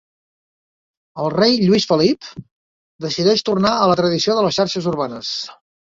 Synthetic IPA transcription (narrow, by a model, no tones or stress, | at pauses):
əlˠrejʎuisfəlip | d̪əsiðɛʃt̪urnaələt̪ɾəðisioðələsʃaɾʃəzurβanəs